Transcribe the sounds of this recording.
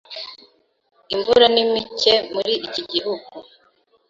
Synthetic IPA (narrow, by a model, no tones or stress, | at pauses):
iɱvuɾanimice̞muɾiiciɟihuɡu